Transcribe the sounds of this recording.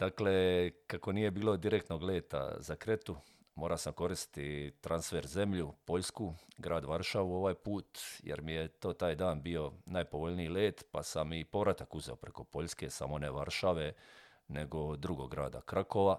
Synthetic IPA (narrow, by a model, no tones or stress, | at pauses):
d̪̥aklekako̞nije̞biːlo̞d̪iɾek̚t̪no̞ɡleːt̪a̰zakɾet̪u | mo̞ːɾasamko̞ɾist̪t̪it̪ɾansfeːɾze̞mʎupo̞ʎskuɡɾaːd̪ʋaɾʃaʋuo̞ʋaːjpuːt̪jḛɾmijet̪o̞ːt̪aːjd̪aːnbio̞najpo̞ʋo̞ʎniileːt̪pa̰samipo̞ʋɾat̪akuze̞̰opɾeko̞po̞ʎske̞sa̰mo̞neʋaɾʃaʋe̞ | ne̞ɡo̞d̪ɾuɡo̞̰ɡɾa̰ːd̪a̰kɾako̞ʋa